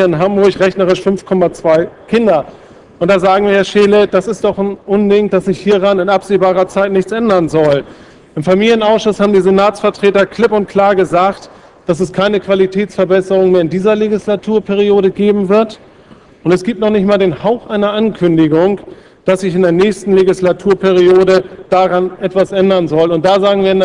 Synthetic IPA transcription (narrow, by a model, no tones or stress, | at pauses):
ɪnɦambʊɐçʁɛçnəʁ̞ɪʃfʏmfkʰɔmat͡sv̥aɪkʰɪndɐ | ʔʊntd̥aːzaːɡŋ̩viːɐhɛɐʃeːləd̥asɪstd̥ɔχnʔʊndɪŋd̥asz̥ɪçhiːʁanɪnʔapz̥eːbaːʁɐt͡saɪtnɪçt͡sʔɛndɐnzɔl | ʔɪmfamiːljənʔaʊsʃʊshaːbm̩diːzenaːt͡sfɛɐtʁ̥eːtɐkl̥ɪpʊnt̚kʰl̥aːɐɡəzaːkt | d̥asɛskʰaɪnəkv̥alitʰɛːt͡sfɛɐbɛsəʁ̞ʊŋmeːɐɪndiːzɐleɡislatʰuːɐpʰɛʁ̞ioːɾəɡeːbm̩vɪɐt | ʔʊntɛsɡ̥iːp̚tnɔχnɪçtmaːldeːnhaʊxʔaɪnɐʔankʰʏndɪɡʊŋ | d̥asz̥ɪçɪndeːɐnɛːçstn̩leɡislatʰuːɐpʰɛʁ̞ioːɾəd̥aʁanʔɛtv̥asʔɛndɐnzɔlʊntd̥aːzaːɡŋviːɐɪn